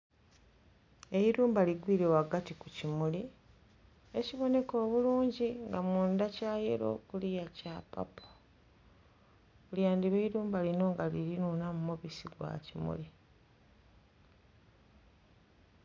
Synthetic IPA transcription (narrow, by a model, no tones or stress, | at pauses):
e̞iɾuːmbaliɡwiːɾewaɡatikucimuli | e̞ciβo̞ne̞ko̞ːβuluːɲɟiŋɡamuːndacaːjeɾo̞̰kulijacapa̰po | uljaːndiβeiɾuːmbalino̞ŋɡaliɾinuːnamumoβisiɡwa̰cimṵli